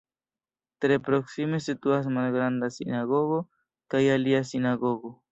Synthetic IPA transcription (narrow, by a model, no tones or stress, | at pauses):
t̪ɾepɾoksimesit̪uas̬malɡɾand̪asinaɣoɣo | kajaliasinaɡoɣo